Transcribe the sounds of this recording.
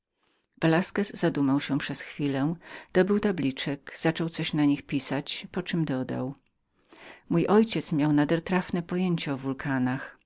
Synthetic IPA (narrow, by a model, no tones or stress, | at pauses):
vɛlaskɛzːad̪umawɕɛpʂɛsxfʲilɛd̪̥ɔbɘwt̪ablʲit͡ʂɛkz̥at͡ʂɔwt̪sɔɕnaɲixpʲisat͡ɕpɔt͡ʂɘmd̪ɔd̪a̰w | mujʔɔjt͡ɕɛt̪smʲjawnad̪ɛɾt̪ɾafnɛpɔjeɲt͡ɕaɔvulkʰanax